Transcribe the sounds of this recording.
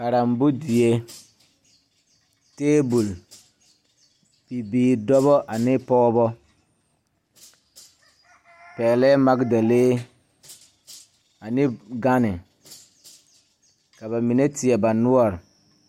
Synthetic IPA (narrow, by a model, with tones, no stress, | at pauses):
ka˨ɾa˨m˨bu˦di˨je˦ | teː˦bu˨l | bi˨biː˨dɔ˦βɔ˦ʔa˨nɪ˦pɔː˦bɔ˦ | pɛː˨lɛ˦ma˦kda˨leː˦ | a˨nɪ˦ɡa˦nɪ˨ | ka˨βa˨mi˨ne˦tɪ˨ɛ˨ba˨nʊ˦ɔ˦˨ɾɪ˨